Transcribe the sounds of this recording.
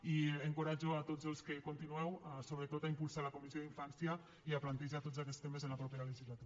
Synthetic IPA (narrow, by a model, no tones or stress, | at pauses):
ieŋkoɾad͡ʒoat̪od͡zəlˠskekont̪inuɛwasoβɾət̪ot̪aimpulˠsalakomizijoðiɱfansja | iaplant̪eʒat̪od͡zak̬ɛtst̪emezenapɾɔpeɾaləʒizlat̪u